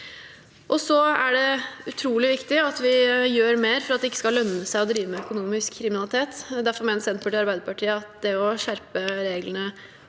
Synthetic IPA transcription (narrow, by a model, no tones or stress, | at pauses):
ʔɔsɔæɖɛʉt̪ʰɾuːlɪʋɪkt̪ɪɑt̪ʋɪjøːɾmeːɾfɔɾɑt̪̚d̪ɛɪkːə̥skɑlœnːəsæɪɔd̪ɾiːʋəmɛœkʊnuːmɪskʰːɾɪmɪnɑlɪt̪ʰeːt̪d̪æɾfɔɾmeːnəsɛnt̪pʰʉʈɪɑɾbæɪd̪əɾpɑʈʰiːəɑt̪d̪ɛɔʂæɾpəɾeːɡlənə